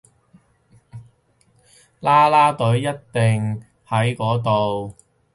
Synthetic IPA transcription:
laː˥laː˥t̪ɵ˨˥ɥjɐ˥tt̪ɪ˨ŋ | hɐ˨˥jkɔː˨˥t̪̬o˨w

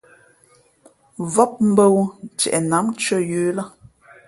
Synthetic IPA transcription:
vɔ˦p̚m̩˦bə˦w̩˨t͡ʃɛ̰˨ʔɛ˨na˨˦mt͡ʃɥə˦˨jʉː˨˦la˦

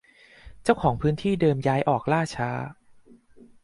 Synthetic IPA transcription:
t͡ɕa˥˩wkʰɔː˩˦ŋpʰɯː˦˥nt̪ʰiː˥˩dɤː˧mjaː˦˥jʔɔː˨˩k̚laː˥˩t͡ɕʰaː˦˥

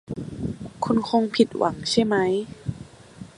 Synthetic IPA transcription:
kʰu˧nkʰo˧ŋpʰi˨˩t̪̚wa̰˩˦ŋt͡ɕʰa˥˩jma˦˥j

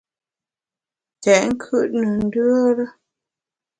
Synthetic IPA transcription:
tɛ˨ŋ̩˦kʰʉ˦˨ʔnə˨n̩˦dʉ˦ə˦ɾə˦

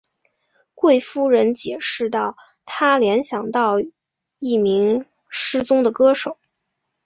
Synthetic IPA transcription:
kwe˥˩ɪfu˥ɻə˧˥nt͡ɕjɛ˨˩ʂɻ̩˥˧t̪ɑ˥˩ʊ | t̪ʰa˥ljɛ˧˥nɕjɑ˨˩ŋt̪ɑ˥˧ʊ | i˥˩mi˧˥ŋ | ʂɻ̩˥t͡sʊ˥ŋd̪ə˨kɤ˥ʂo˨˩˦ʊ

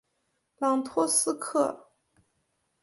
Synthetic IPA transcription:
lɑ˨˥ŋt̪ʰwɔ˥sɹ̩˥kʰɤ˥˩

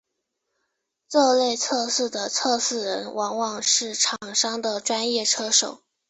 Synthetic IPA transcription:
t͡sɤ˥˧le˥˧ɪt͡sʰɤ˥˧sɹ̩˥˩d̪ə˩t͡sʰɤ˥˧sɹ̩˥˩ɻə˧˥nwʔɑ˧˥ŋwɑ˨˩ŋʂɻ̩˥˩ʈ͡ʂʰɑ˨˩ŋʂɑ˥ŋd̪ə˨ʈ͡ʂwa˥njɛ˥˩ʈ͡ʂʰɤ˥ʂo˨˩˦ʊ

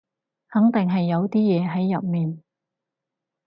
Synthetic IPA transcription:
hɐ˨˥ŋt̪ɪ˨ŋɦɐ˨jːɐ˨˧wt̪iː˥jɛː˨˧ɦɐ˨˥jːɐ̰˨p̚miː˨n

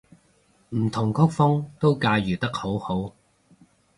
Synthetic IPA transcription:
m̩˨˩t̪ʰʊ˨˩ŋkʰʊ˥k̚fʊ˥ŋt̪o˥wkaː˧jyː˨˩t̪ɐ˥k̚ho˨˥who˨˥w

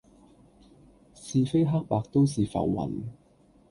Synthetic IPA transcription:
siː˨˧fe˥jɦaː˥k̚paː˧k̚t̪o˥ws̬iː˨fɐ̰˨˩wwɐ̰˨˩n

